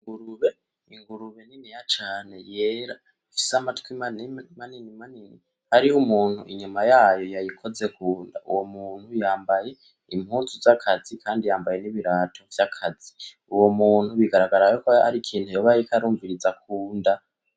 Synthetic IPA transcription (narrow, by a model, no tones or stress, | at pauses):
iŋɡuɾuβe | iŋɡuɾuβe̞ninijat͡ʃaːne̞jeːɾa | ifi̥samatkwimanmaninimanini | haɾihumuːn̥huʔiɲumajaːjo̞jajikʰo̞zekuːnda̰ṵwomuːn̥hujaːmbaje̞ | im̥hut͡suzakʰazikʰaːndijaːmbaje̞niβiɾaːtʰo̞vjakʰad͡zi | uwomuːn̥huβiɡaɾaɡaɾajokoa̰ɾikʰiːnhujoβajikaɾuːɱviɾid͡zakʰuːnda